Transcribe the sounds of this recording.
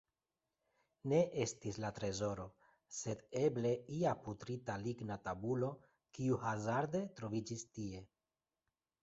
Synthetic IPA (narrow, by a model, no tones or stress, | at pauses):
ne̞ʔe̞stislatɾe̞zo̞ɾo̞ | se̞de̞ble̞iaputɾitaliɡnatabulo̞ | kiuhazaɾde̞t̪ɾo̞vid͡ʒistie̞